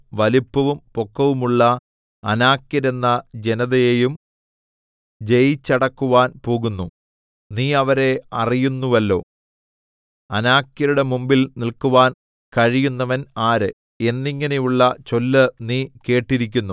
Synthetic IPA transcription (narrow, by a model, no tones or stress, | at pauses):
ʋɐlipːɐʋumpokːɐʋumuɭːɐː | naːkːjɐɾe̞nːɐd͡ʑe̞nɐðɐjejum | d͡ʑejt͡ɕːɐɽɐkːuʋaːnpo̞ːɣunːu | niːɐʋɐɾe̞ɐrijunːuʋɐlːo̞̰ː | ɐnaːkjɐɾuɽe̞mumbilnilkuʋaːn | kɐɻijunːɐʋɐnaːɾɨ | e̞nːiŋːɐne̞juɭːɐt͡ɕo̞lːɨniːke̞ːʈːiɾikʲːunːu